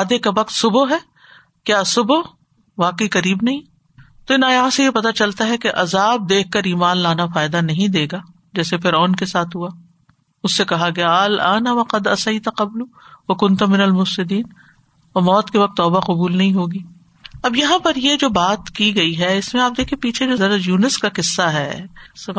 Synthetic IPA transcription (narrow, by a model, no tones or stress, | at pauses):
aːd̪ekaʋɐq̚t̪sʊboɦɛː | kjaːsʊbo | ʋaːqəiqɐɾiːbnɐɦĩ | t̪oɪnaːjaːsejepɐt̪at͡ʃɐlt̪aɦɛkeʔɐzaːb̚d̪eːk̚ʰːɐɾiːmaːnlaːnafaːɪd̪anɐɦĩd̪eːɡaː | d͡ʒɛːsefɪɾɔːnkesaːt̪ʰɦʊaː | ʊsːekɐɦaɡɐjaɐlʔaːnaʋɐqɐd̪ɐsɐjt̪aqɐbluʋɐkʊ̃nt̪ɐmɪnɐlmʊfsɪd̪iːn | ɔːɾmɔːt̪keʋɐq̚t̪ːɔːbaqʊbuːlnɐɦĩɦoːɡiː | ɐbjɐɦãpɐɾjed͡ʒoːbaːt̪kiɡɐiɦɛɪsmẽaːp̚d̪eːkʰiẽpiːt͡ʃʰed͡ʒoːɐɾajuːnɪskaqɪsːaɦɛ̰